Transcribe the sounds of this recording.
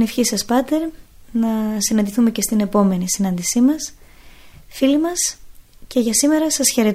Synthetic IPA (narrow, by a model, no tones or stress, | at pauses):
nefçisɐspɐt̪e̞ɾnɐsinɐnd̪iθume̞ce̞st̪ine̞po̞me̞nisinɐnd̪isimɐs | filimɐsce̞ʝɐsime̞ɾɐsɐsçe̞ɾe̞t̪